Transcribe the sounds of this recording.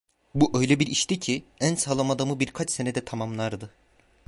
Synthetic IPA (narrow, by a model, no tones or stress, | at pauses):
buʔø̞jlʲɛbiɾiʃt̪icʰiænsalˠamad̪amɯbiɾkʰat͡ʃse̞nɛd̪ɛt̪ʰamamlˠaɾd̪ɯ